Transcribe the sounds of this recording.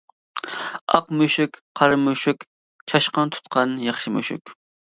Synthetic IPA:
ɑqmyʃykʲqʰɑɾɨmyʃykʲ | t͡ʃʰɑʃqənt̪ʰu̥t̪qʰɑnjɑχʃɨmy̰ʃy̰kʲ

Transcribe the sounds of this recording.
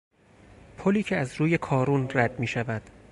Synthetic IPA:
pʰoliːcʰeæzɾuːje̞kʰɒːɾunræd̪miːʃævæd̪̥

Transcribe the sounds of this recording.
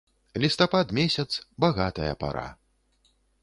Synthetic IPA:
lʲist̪apad̪mʲesʲɐt̪sbaɣat̪ɐjɐ̰pa̰ɾa̰

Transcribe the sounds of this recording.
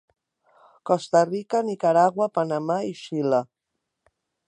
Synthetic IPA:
kɔst̪arikanikaɾaɣwapanamaiʃila

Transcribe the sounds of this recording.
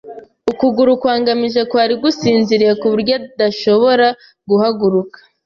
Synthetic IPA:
ukuɡuɾukwaːŋɡamiʒekwaːɾiɡusiːnziɾijekuβuɾɟadaʃo̞βo̞ɾa | ɡuhaɡuɾukḁ

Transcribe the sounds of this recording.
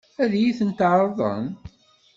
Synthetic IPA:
æðjiθənt̪ʕɾˤðˤə̰n

